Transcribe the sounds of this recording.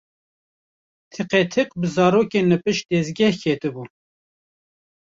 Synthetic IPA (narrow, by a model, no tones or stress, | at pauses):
t̪ʰɨqet̪ʰɨqbɨzɑːɾoːkenɨpɨʃd̪ɛzɡʲɛhkʰet̪ɨbu